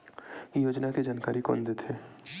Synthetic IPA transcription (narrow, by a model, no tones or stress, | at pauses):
joːd͡ʒnaked͡ʒaːnkaːɾikɔ̰ːnd̪et̪ʰeː